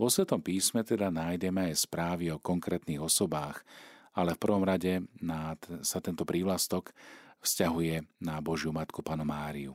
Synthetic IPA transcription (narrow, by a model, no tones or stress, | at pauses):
ʋɔsʋɛt̪ɔmpiːsmɛt̪ɛd̪anaːjɟɛmɛajspɾaːʋiɔkɔŋkɾɛːt̪niːɣɔsɔbaːxalɛfpr̩ʋɔmɾaɟɛnasat̪ɛnt̪ɔpɾiːʋlast̪ɔkfscaɦujɛnabɔʒjumat̪kupaːnɔmaːɾiṵ